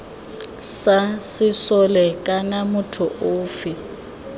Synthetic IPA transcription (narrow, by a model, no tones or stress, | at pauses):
sasɪsɔlɛkʼanamʊtʰʊʔʊːfɪ